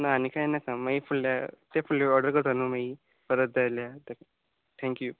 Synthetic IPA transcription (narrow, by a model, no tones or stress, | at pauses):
naːnikajenakamaifuɭːat̪efuɭːeɔɾɖəɾkəɾt̪anumai | pəɾət̪̚d͡zajljat̪ek | t̪ʰɛ̃ŋkju